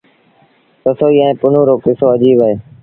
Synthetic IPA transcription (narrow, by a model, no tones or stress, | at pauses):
t̪əsoːiːə̃ẽːpʊnõːɾoːkɪsoːəd͡ʒiːbəɦeː